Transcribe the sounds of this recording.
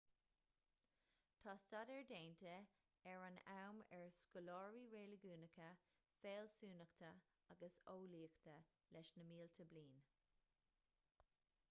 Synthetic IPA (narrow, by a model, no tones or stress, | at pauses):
t̪ʰɑːstadɛɹdeːnt̪ʰə | ɛɹanawmɛɹskɔlɔːɹiɹeːləɡuːnəkʰə | feːlsuːnəkt̪ʰə | aɡəsoːliːəkt̪ʰə | lɛʃnəmiːlt̪ʰəbliːn